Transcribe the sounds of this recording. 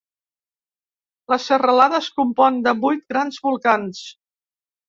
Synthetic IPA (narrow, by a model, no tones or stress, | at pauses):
ləsʃərəlaðəskumpɔnd̪əβujt̪ɡɾanzβulˠkans